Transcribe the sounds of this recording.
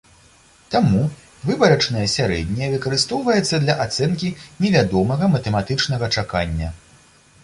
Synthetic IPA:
t̪amu | vɨbɐɾɐt͡ʂnɐjɐsʲaɾɛ̰d̪ʲnʲɛjɛvɨkɐɾɨst̪ɔwvɐjɛt̪sːɐd̪lʲɐʔat̪sɛnkʲinʲɛvʲad̪ɔmɐɣɐmɐt̪ɛmat̪ɨt͡ʂnɐɣɐt͡ʂaka̰nʲːɐ

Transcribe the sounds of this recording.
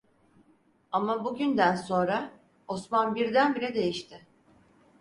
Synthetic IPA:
amabuɟynd̪ænso̞nɾa | o̞smanbiɾd̪ænbiɾɛd̪e̞jiʃt̪ʰɪ

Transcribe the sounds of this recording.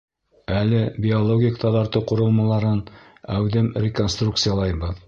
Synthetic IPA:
ælɘbʲɪolˠoɡʲik̚t̪ʰɑðɑɾt̪ɤwquɾɤ̆lˠmɑlˠɑɾɤn | æwðɘmrʲɪkonst̪ruk̚t̪sɨjɑlˠɑjbɤð

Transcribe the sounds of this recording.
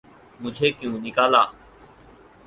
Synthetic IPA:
mʊ̃d͡ʒʱeːkjũːnɪkaːlaː

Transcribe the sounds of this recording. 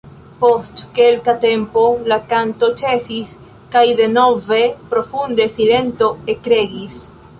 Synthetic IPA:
po̞stke̞lkate̞mpo̞lakanto̞t͡ʃe̞sis | kajde̞no̞ve̞pɾo̞fundesile̞nto̞ekɾe̞ɡis

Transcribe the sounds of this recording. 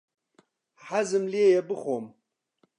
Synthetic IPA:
ħazɨmliejɛbɨχʷom

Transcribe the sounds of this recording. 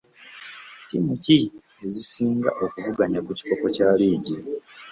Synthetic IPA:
timuci | ezisiːŋɡa̰ʔo̞kuvuɡaɲakuci̥ko̞ko̞caːliːɟi

